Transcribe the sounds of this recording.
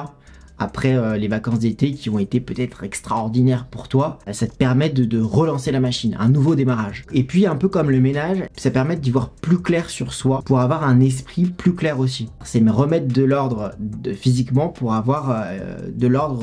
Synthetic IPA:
a̰pχɛølevakɑ̃sd̪et̪ekʲiɔ̃et̪epøt̪ɛt̪χɛkst̪χaɔʁd̪inɛʁpuʁt̪wasat̪ə̥pɛʁmɛd̪əd̪əʁəlɑ̃selamaʃinɛ̰̃nuvod̪emaʁaʒepɥiɛ̃pøkɔmləmenaʒsapɛʁmɛd̪ivwaʁplyklɛʁsyʁswapuʁavwaʁɛ̃nɛs̬pχiplyklɛʁosisɛmɛʁəmɛt̪̚d̪əlɔʁd̪ʁəfizikmɑ̃puʁavwaʁød̪əlɔʁd̪ʁ

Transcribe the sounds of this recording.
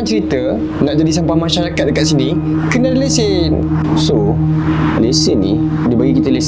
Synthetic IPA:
nt͡ʃəɾit̪ə | naʔd͡ʒadisampahmãʃaɾakat̪̚dəkat̪̚sini | kənadəlese | so | lesənḭ | dibaɡikit̪əles

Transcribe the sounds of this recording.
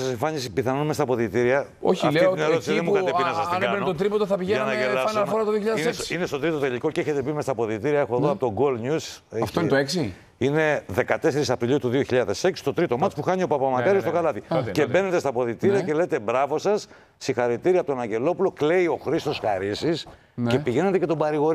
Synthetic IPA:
sɐseɱfɐɲispiθɐnonmest̪ɐpo̞ðit̪iɾiɐ | o̰fit̪ineɾot̪siðemukɐepinɐsɐsinent̪t̪ɾipot̪oθɐpiʝeɐnɐelɐsmfoɾɐt̪oðioçiʎɐðiessinest̪ot̪ɾit̪ot̪eʎiko̞ceçe̞t̪e̞pimest̪ɐpo̞ðit̪iɾiɐexoeðoɐpot̪oɡolɲuseɐft̪oint̪oeksi | ine̞ðe̞kɐt̪e̞se̞ɾisɐpɾiʎiut̪uðio̞çiʎɐðe̞se̞ksi̥st̪o̞t̪ɾit̪o̞mɐt̪spuxɐɲio̞pɐpɐmɐkɐɾiostokɐlɐt̪ice̞be̞ne̞t̪e̞st̪ɐpo̞ðit̪iɾiɐce̞le̞t̪e̞bɾɐvo̞sɐsː | ixɐɾit̪iɾiɐpot̪onɐɲɟe̞lo̞pulo̞kle̞io̞xɾist̪o̞sxɐɾisis | ce̞piʝe̞net̪e̞ce̞t̪o̞bɐɾiɣo̞ɾi

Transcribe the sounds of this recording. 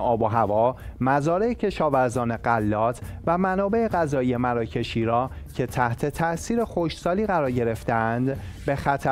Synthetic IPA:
ɒːboɦævɒːmæzɒːɾeecʰe̞ʃɒːvæɾzɒːne̞ɢælːɒːt̪ʰvæmænɒːbe̞eɣæzɒːije̞mæɾɒːcʰe̞ʃiːɾɒːcʰe̞t̪ʰæht̪ʰe̞t̪ʰæʔsiːɾe̞xo̞ʃsɒːliːɣæɾɒːɾɟe̞ɾe̞ft̪eænd̪be̞xæt̪ʰæ

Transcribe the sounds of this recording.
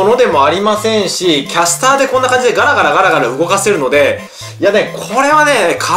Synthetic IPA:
ono̞d̪e̞mo̞aɾʲimasẽ̞ɰ̃ɕikʲasɨ̥t̪aːd̪e̞kõ̞nːakãɲd͡ʑid̪eɡaɾaɡaɾaɡaɾaɡaɾaɯ̟ɡo̞kase̞ɾɯ̟no̞d̪e̞ | jane̞kʰo̞ɾe̞βane̞kʰa

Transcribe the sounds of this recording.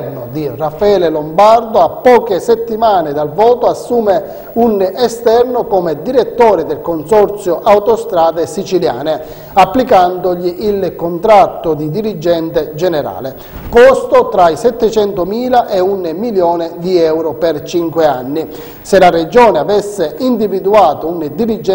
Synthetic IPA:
nʊd̪irafaɛːlelombard̪oapːɔːkesɛt̪ːimaːned̪alvɔːt̪oasːuːme | unʔɛst̪ɛrnokɔmed̪iɾet̪ːɔːɾɪd̪elkonsɔɾt̪sjoʔawt̪ost̪ɾaːd̪esit͡ʃilja̰ːne | apːlikand̪ʊʎiʔilkont̪ɾat̪ːʊd̪id̪iɾid͡ʒɛnt̪ed͡ʒɛnɛɾa̰ːle | kost̪ot̪ɾaisɛt̪ːɛt͡ʃɛnt̪ʊmiːlaʔɛunmiljɔːnɪd̪iɛwɾopɛrt͡ʃiŋkweanːi | selared͡ʒɔːneavɛsːeʔind̪ivid̪uaːt̪ound̪iɾid͡ʒɛ

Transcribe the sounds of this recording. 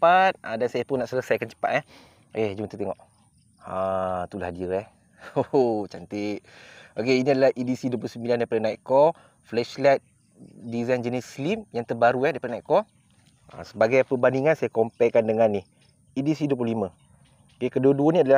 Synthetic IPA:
əpat̪̚adansajapʊnːaʔsələsajkant͡ʃə̥pa̰t̪̚ɛh | ked͡ʒumət̪ut̪eŋɔʔ | at̪ulahadiɾɛh | oot͡ʃant̪ɪʔ̪̚ʔokeiniadalaʔidisiduəp̬lusəmbilandajpadənaiʔkɔ | flɛʃlat̪̚ | dizajnd͡ʒənislimjaŋt̪ərbaɾuɛdajpadənaiʔkɔ | a̰səbaɡajpəbandiŋãnsajakɔmpɛʔkandəŋanih | idisiduəpuluhlimə̃ | okekəduəduənĩadala

